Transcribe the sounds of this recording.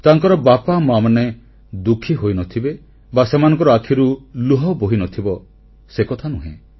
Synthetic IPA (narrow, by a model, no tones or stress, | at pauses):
t̪aŋkɔɾɔbapamamane | d̪ukʰiɦojnɔt̪ʰibe | basemanɔ̃ŋkɔɾɔakʰiɾuluɦɔboɦinɔt̪ʰibɔ | sekɔt̪ʰanuɦḛ̃